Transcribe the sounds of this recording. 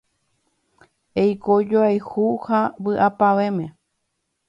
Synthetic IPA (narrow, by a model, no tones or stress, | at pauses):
ejkod͡ʒoajhuhawɨʔapaʋẽmẽ